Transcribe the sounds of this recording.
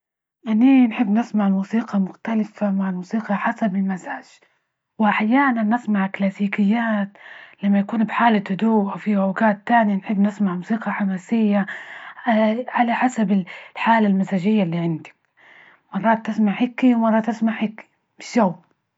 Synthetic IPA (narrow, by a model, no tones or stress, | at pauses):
ʔaninħɪbːnɪsmaʕmuːsiːqɑmʊxt̪alɪfamaʕalmuːsiːqɑħasabɪlmazaːʒ̥ | wɪʔaħjaːnanɪsmaʕklaːsiːkɪjːaːt̪lamːajakuːnbħaːlat̪hʊd̪uːʔawfiʔawɡaːt̪ːaːnjanħɪbːnɪsmaʕmuːsiːqɑħamaːsɪjːa | ʕalaħasabɪlħaːlalmazaːʒɪjːalːiːʕɪnd̪i̥ | mɑrˤːɑːt̪ːɪsmaʕhɪkiwmɑrˤːɑt̪ʔasmaʕhɪki̥ | mɪʃaw